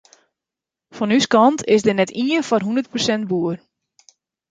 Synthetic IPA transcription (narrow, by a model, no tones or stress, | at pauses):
fɔnyskɑntʰɪsdɪnɛtiənfɔrɦundərt̚prosɛnt̚buər